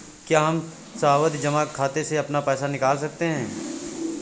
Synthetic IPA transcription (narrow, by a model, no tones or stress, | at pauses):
kjaːɦɐm | sɐaːʋət̪d͡ʒɐmakʰːaːt̪eseɐpnapɛːsanɪkaːls̬ɐk̚t̪eɦɛ̃ː